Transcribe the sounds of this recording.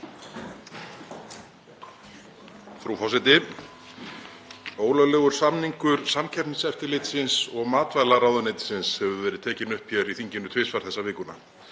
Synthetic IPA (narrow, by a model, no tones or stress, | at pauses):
fɾufɔs̬ɪt̪ɪ | oːwlœlɛːɣʏɾ̥samniŋkʏɾ̥samcʰɛpnsɛft̪ɪleːt̪sɪnsɔɣmaːt̪vaːlaɾaːwðʏnejt̪ɪ̥sɪnshɛvʏvɛːɾɪð̥t̪ʰɛːcɪnʏhpjɛɾiθiɲcɪnʏt̪ʰveːsfaɾ̥θɛsːavɪːkʏna̰